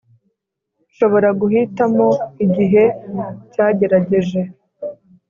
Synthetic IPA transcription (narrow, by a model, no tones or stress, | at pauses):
ʃo̞βo̞ɾaɡuɦitamo̞iɟiɦe̞caːɟe̞ɾaɟe̞ʒe̞